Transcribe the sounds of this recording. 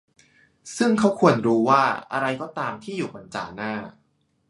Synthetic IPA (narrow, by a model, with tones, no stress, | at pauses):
sɯ˥˩ŋkʰa˦˥wkʰu˧ənɾuː˦˧waː˥˩ʔa̰˧ɾa˧jkɔː˥˩t̪aː˧mt̪ʰiː˥˩juː˨˩pa˧nt͡ɕa̰ː˧naː˥˩